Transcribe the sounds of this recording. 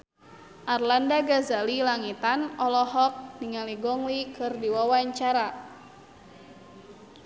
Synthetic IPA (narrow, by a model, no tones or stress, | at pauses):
ʔarlandaɡazalilaŋit̪anɔlɔɦɔk̚niŋaliɡɔŋlikʰɨrdiwawaɲt͡ʃaɾa